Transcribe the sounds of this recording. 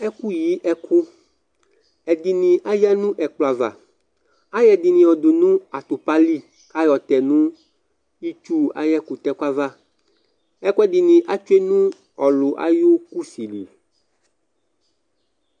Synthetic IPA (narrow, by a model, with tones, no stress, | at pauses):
ɛ˦ku˦ji˨˦ʔɛ˦kʰu˦ | ɛ˨d̪i˨nĩ˨ʔa˦ja˦nũ˦ʔɛ˨k͡plo˨a˨va̰˨ | a˦jɛ˨d̪i˨nĩ˨ɔ˨d̪u˨nũ˦a˨t̪u˨pa˦li˦ | a˦jɔ˨t̪ɛ˨nũ˦ | i˦t͡ʃu˦a̰˨jɛ˦ku˨t̪ɛ˦ka˦va˦˨ | ɛ˦ku˦ɛ˦d̪i˨nĩ˨ʔa˦t͡ʃu˦e˦nũ˦ | ɔ˨lʊ˨ʔa̰˦jo˦ku˦si˨lḭ˨